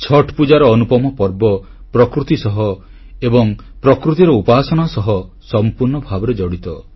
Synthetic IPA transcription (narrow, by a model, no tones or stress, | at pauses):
t͡ʃʰɔʈʰpud͡ʒaɾɔːnupɔmɔpɔɾbɔ | pɾɔkɾut̪isɔɦɔ | ebɔŋ | pɾɔkɾut̪iɾɔupaːsɔɽ̃asɔɦɔ | sɔmpuɾɳɔbʱabɔɾed͡ʒɔɽit̪ɔ